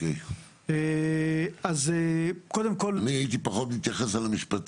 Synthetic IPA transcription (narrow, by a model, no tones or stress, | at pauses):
ej | e | azekod̪emko̞lmiajit̪̬ipaχo̞t̪lit̪jaχesalamiʃpat̪